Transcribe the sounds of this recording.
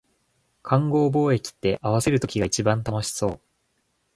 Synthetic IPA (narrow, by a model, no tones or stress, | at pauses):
kʰãŋɡo̞ːbo̞ːe̞kʲi̥t̪ːe̞ʔaβ̞ase̞ɾɯ̟t̪o̞kʲiɡait͡ɕibãnt̪amoɕi̥so̞ː